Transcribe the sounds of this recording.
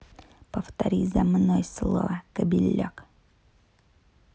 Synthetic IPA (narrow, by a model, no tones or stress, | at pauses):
pəft̪ɐɾʲizɐmnojslˠovəkəbʲɪlʲːo̰k